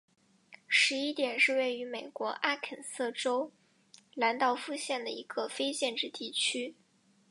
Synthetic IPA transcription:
ʂɻ̩˧˥i˥t̪jɛ˨˩nʂɻ̩˥˧we˥˩ɪy˧˥me˨˩ɪkwɔ˧˥ʔa˥kʰə˨˩nsɤ˥˩ʈ͡ʂo˥ʊ | la˧˥nt̪ɑ˥˧ʊfu˥˧ɕjɛ˥˩nd̪ə˩i˧˥ɡ̥ə˧fe˥ɪɕjɛ˥˧nʈ͡ʂɻ̩˥˧t̪i˥˩t͡ɕʰy˥

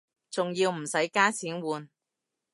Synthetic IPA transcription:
t͡sʊ˨ŋjiː˧wm̩˨˩sɐ˨˥jkaː˥t͡sʰiː˨˥nwuː˨˧n

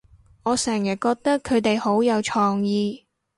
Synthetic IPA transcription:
ɔː˨˧sɛː˨˩ŋjɐ˨˩kɔː˧k̚t̪ɐ˥kʰːɵ˨˧ɥt̪e˨jho˨˥wjɐ˨˧wt͡ʃʰɔː˧ŋjiː˧

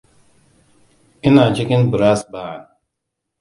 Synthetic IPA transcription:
i˦naː˨t͡ʃi˦ki˦nbu˨ɾa˦sbaː˨

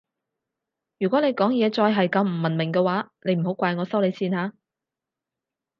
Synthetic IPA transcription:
jyː˨kɔ˨˥ne˨˧jkɔː˨˥ŋjɛː˨˧t͡sɔː˧jɦɐ˨jkɐ˧mm̩˨˩mɐ˨˩nmɪ˨˩ŋkɛ˧waː˨˥ne˨˧jm̩˨˩ho˨˥wkʷaː˧jŋɔː˨˧sɐ˥wle˨˧jsiː˧nhaː˨˧˦

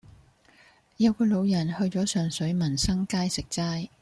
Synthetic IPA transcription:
jɐ˨˧wkɔː˧lo˨˧wjɐ˨˩nhɵ˧ɥt͡ʃɔː˨˥sœː˨ŋsɵ˨˥ɥmɐ˨˩nsɐ˥ŋkaː˥jsɪ˨k̚t͡saː˥j

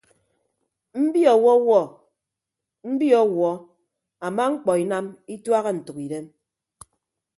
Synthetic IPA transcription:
m̩˦bi˦ɔ˨wɔ˦wɔ˦ | m̩˦bi˦ɔ˦wɔ˨˦ | a˨ma˦ŋ͡m̩˦k͡pɔ˨i˨na˦mi˦twa˦ɣe˦n̩˨tu˨ki˨de˦m

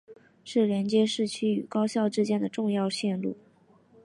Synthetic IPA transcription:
ʂɻ̩˥˩ljɛ˧˥nt͡ɕjɛ˥ʂɻ̩˥˩t͡ɕʰy˥y˨˩kɑ˥ʊɕjɑ˥˧ʊʈ͡ʂɻ̩˥t͡ɕjɛ˥˩nd̪ə˩ʈ͡ʂʊ˥˧ŋjɑ˥˧ʊɕjɛ˥˧nlṵ˥˩

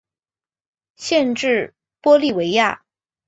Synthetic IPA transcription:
ɕjɛ˥˧nʈ͡ʂɻ̩˥˩ | pwɔ˥li˥˩we˧˥ɪja˥˩

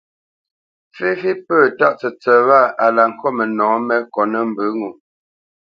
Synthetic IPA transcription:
fe˦fi˦pəː˦˨ta˦ʔt͡sə˨t͡sə˨wa˦˨a˨la˨ŋ̩˨kʰɔ˦mə˨nɔ̃ː˨˦mɛ˦kɔ˨nə˦˨m̩˨bə˨˦ŋu˨

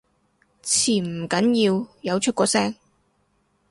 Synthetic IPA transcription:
t͡sʰiː˨˩m̩˨˩kɐ˨˥njiː˧wjɐ˨˧wt͡ʃʰɵ˥t̚kʷɔː˨˧sɛː˥ŋ

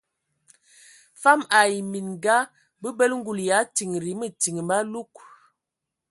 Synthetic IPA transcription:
fa˦ma˨i˨mi˨nɡa˦ | bə˦bə˦lŋ˦ɡu˨lja˨˦ti˨ŋ˨ɾi˨˦mə˨ti˨ŋə˨ma˦lu˦k̚

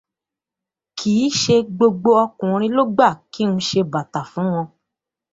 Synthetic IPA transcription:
kʰiː˨˦ʃe˧ɡ͡bo˧ɡ͡bo˧ɔ˧kũ˨ɾ̃ĩ˧lo˦ɡ͡ba˦˨ki˨˦ũ˧ʃe˧ba˨ta˨fũ˨˦w̃ɔ̃˧

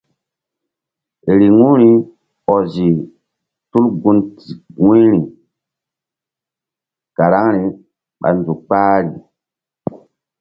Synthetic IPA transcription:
e˨ɾi˨ŋũ˦ɾi˦ | ɔ˨zi˨ | tu˦lɡu˦nti˨ŋu˦ɾi˨ | ka˨ɾa˦ŋɾi˨ | ɓa̰˨n˨zu˨k͡paː˦ɾi˨

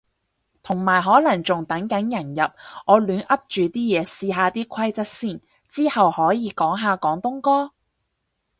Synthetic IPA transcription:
t̪ʰʊ˨˩ŋmaː˨˩jɦɔː˨˥lɐ˨˩ŋt͡sʊ˨ŋt̪ɐ˨˥ŋkɐ˨˥njɐ˨˩njɐ˨p̚ɔː˨˧lyː˨˥nʔɐ˥p̚t͡ʃyː˨t̪iː˥jɛː˨˧siː˧ɦaː˨˧t̪iː˥kʰɐ˥jt͡sɐ˥t̚siː˥˩n | t͡siː˥hɐ˨whɔː˨˥jiː˨˧kɔː˨˥ŋɦaː˨˧kɔː˨˥ŋt̪ʊ˥ŋkɔː˥

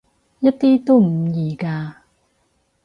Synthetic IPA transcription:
jɐ˥t̚t̪iː˥t̪o˥m̩˨˩˦jiː˨˩kaː˧

